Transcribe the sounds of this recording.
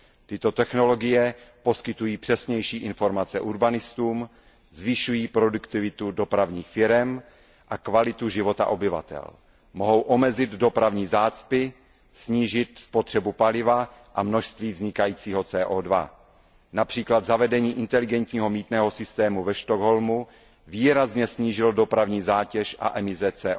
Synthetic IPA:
t̪ɪt̪o̞t̪ɛxno̞lo̞ɡɪjɛpo̞skɪt̪ujiːpr̥ɛsɲɛjʃiːʔɪnfo̞ɾmat͡sɛʔuɾbanɪst̪uːm | zvɪʃujiːpɾo̞dukt̪ɪvɪt̪udo̞pɾavɲiːxfɪɾɛm | ʔakvalɪt̪uʒɪvo̞t̪a̰ʔo̞bɪva̰t̪ɛ̰l | mo̞ɦo̞wʔo̞mɛzɪd̪do̞pɾavɲiːzaːt͡spɪ | sɲiːʒɪt̪spot̪r̥ɛbupalɪvaʔamno̞ʃst̪viːvzɲɪkajiːt͡siːɦo̞t͡sɛːʔoːdva̰ | napr̝̥iːklad̪zavɛdɛɲiːʔɪnt̪ɛlɪɡɛnt̪ɲiːɦo̞miːt̪nɛːɦo̞sɪst̪ɛːmuvɛʃt̪oɡɦo̞lmu | viːɾazɲɛsɲiːʒɪldo̞pɾavɲiːzaːcɛʃʔa̰ʔɛmɪsɛt͡sɛːʔ

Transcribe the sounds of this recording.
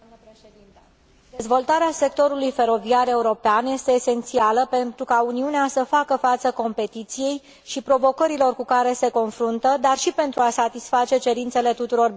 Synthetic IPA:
e | d̪ezvo̞lt̪aɾease̞k̚t̪o̞ɾulujfe̞ɾo̞viare̞uɾo̞peanje̞st̪eːse̞nt̪sialəpe̞nt̪ɾukauniuneasəfakəfat̪səko̞mpe̞t̪it̪sije̞j | ʃipɾo̞vo̞kəɾilo̞rkukaɾe̞se̞ko̞nfɾunt̪əd̪arʃipe̞nt̪ɾuasat̪isfat͡ʃe̞t͡ʃe̞ɾint̪se̞le̞t̪ut̪uɾo̞r

